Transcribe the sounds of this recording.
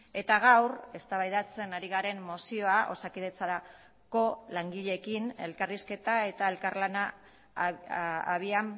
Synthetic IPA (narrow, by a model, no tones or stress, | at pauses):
e̞t̪aɣ̞awre̞st̪aβajðat͡se̞naɾiɣaɾe̞mːosio̞aʔo̞̰sakið̞e̞t͡saɾa | ko̞laŋɡiʎe̞kine̞̰lkariske̞t̪ae̞t̪ae̞lkarlana | aβiam